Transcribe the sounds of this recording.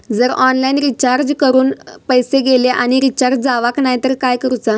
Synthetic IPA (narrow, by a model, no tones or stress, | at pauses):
d͡zəɾɔnlainɾit͡ɕaɾd͡ʑkəɾuːnpəjseɡeleʔañiɾit͡ɕaɾd͡ʑd͡zaʋaknajt̪əɾkajkəɾut͡sa